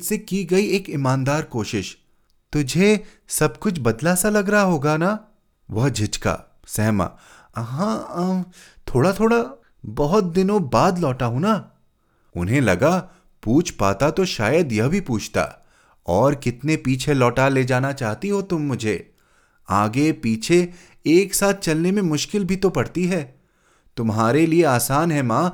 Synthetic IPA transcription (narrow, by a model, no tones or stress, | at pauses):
sekiɡɐieːkɪmãːnd̪aːɾkoːʃɪʃ | t̪ʊd͡ʒʱe | sɐb̚kʊt͡ʃʰbɐd̪lasalɐɡɾɐɦaɦoːɡana | ʋɐɦd͡ʒʱɪt͡ʃka̰ː | sɛɦma̰ | ɦã | t̪ʰoːɽat̪ʰoːɽa | bɐɦʊt̪̚d̪ɪnõbaːd̪lɔːʈaɦũna | ʊ̰nɦẽlɐɡa | puːt͡ʃʰpaːt̪at̪oʃaːjəd̪jɐɦbʱipuːt͡ʃʰt̪a̰ː | ɔːɾkɪt̪nepiːt͡ʃʰelɔːʈaled͡ʒaːnat͡ʃaːɦt̪iɦot̪ʊmːʊd͡ʒʱe | aːɡepiːt͡ʃʰe | eːksaːt̪̚ʰt͡ʃɐlnemẽmʊʃkɪlbʱit̪opɐɽt̪iɦɛː | t̪ʊmɦaːɾelieaːsaːnɦɛmãː